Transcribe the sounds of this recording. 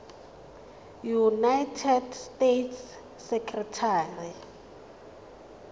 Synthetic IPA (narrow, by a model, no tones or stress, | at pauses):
junajtʰɛdstetʰs | sɛkʰʼrɛtʰaːri